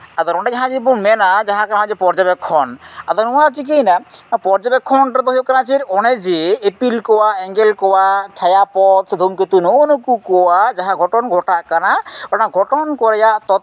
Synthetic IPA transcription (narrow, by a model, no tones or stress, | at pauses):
ad̪ɔɾɔɳɖad͡ʒaɦãd͡ʒibɔmɛnad͡ʒaɦãkaaɦãd͡ʒɛpɔɾd͡ʒabɛkʰːɔna̰d̪ɔɾnɔwat͡ʃik̬ejnapɔɾd͡ʒabɛkʰːɔnʈɔd̪ɔɦjɔkanat͡ʃʰiɾɔnɛd͡ʒeːpilkɔwaɛŋɡɛlkɔwat͡ʃʰajapɔt̪̚sɛd̪ʱumket̪unɔnukukɔwad͡ʒaɦãɡʱɔʈɔnɡʱɔʈaʔkanabanaɡʱɔʈɔnkɔɾɛjaʔt̪ɔt̪̚